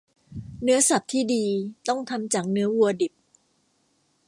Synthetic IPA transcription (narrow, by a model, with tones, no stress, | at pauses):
nɯ˦˥ɐsa˨˩p̚t̪ʰiː˥˩diː˧t̪ɔ˥˩ŋt̪ʰa˧mt͡ɕa˨˩ŋnɯ˦˥ɐwu˧ɐdi˨˩p̚